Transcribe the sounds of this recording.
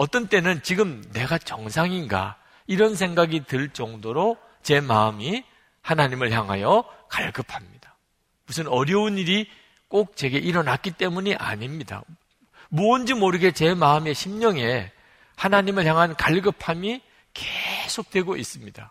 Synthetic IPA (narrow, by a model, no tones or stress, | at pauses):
ʌt͈ʌnt͈e̞nɯnt͡ɕiɡɯmne̞ɡat͡ɕʌŋsʰaŋinɡa̰ | iɾʌns̬ʰe̞ŋɡaɡitɯɭt͡ɕ͈ʌŋdoɾo | t͡ɕe̞maɯmi | hanaɲimɯɭçjaŋɦajʌkaɭɡɯpʰamɲid̥a | musʰɯnʌɾjʌuniɾi | k͈ok̚t͡ɕe̞ɡe̞ʔiɾʌnak͈it͈e̞muɲiʔa̰ɲimɲida̰ | mond͡ʑimoɾɯɡe̞t͡ɕe̞maɯme̞ɕʰimɲʌŋe̞ | hanaɲimɯɭçjaŋɦankaɭɡɯpʰami | kesʰok̚t͈we̞ɡois͈ɯmɲid̥a